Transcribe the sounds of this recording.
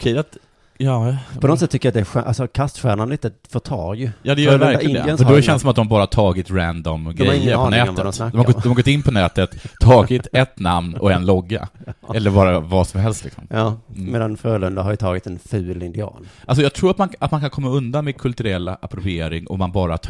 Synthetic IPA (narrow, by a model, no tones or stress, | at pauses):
ɔkʰɛjat̪ | jɑːpɔnɔt̪sɛt̪ːʏkːəjat̪d̪ɛɧʔa̰lsɔkʰast̪ɧæːɳanliɪt̪əfœʈʰɑ̰ːɾjɵjɑːd̪ɛjœɾjvæɾaɛfɔdɔɕɛnsɔmat̪d̪ɔmabɑːɾahaʈ̪tʰɑːɡɪt̪ɾænd̪ɔmdɡɾɛaɾɪːəɾɔnɛːmadɔsad̪ɔmhaɡɔd̪ɔmhaɡɔt̪ːɪnːpʰɔnɛːt̪ət̪ʰːɑːɡɪt̪ɛt̪namnɔɛnlɔɡːa̰ɛlːəɾbɑːɾavasɔmhɛlst̪lɪ̰ksɔ̰mːmeːd̪anfɾœːlɵnd̪ahaɾjət̪ʰɑːɡɪt̪ɛnfʉ̟ːlɪnd̪ɪɑ̰ːnalsɔjɑɡt̪ʰɾuːɾat̪manat̪mankʰankʰɔmːaɵnd̪anmɛkʰɵlt̪ɵɾɛlːaʔa̰pɾʊveːɾɪŋʔɔ̰mːanbɑːɾa